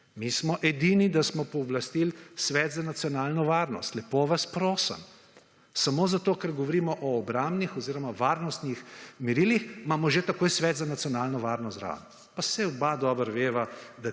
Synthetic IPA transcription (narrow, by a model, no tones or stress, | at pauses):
mismɔʔɛd̪inid̪asmɔpɔɔblast̪ilsʋɛːt̪zanat̪sijɔnaːlnɔʋaːɾnɔ̰st̪lɛpoʋaspɾoːsə̰m | samoːzat̪oːkəɾɡɔʋɔɾiːmɔʔɔːbɾaːmbnixɔziːɾɔmaʋaːɾnɔst̪nixmɛɾilixmaːmɔʒet̪akoːjsʋɛːt̪zanat̪sijɔnaːlnɔʋaːɾnɔst̪ɾa̰n | pasɛɔbad̪ɔːbəɾʋeːʋad̪a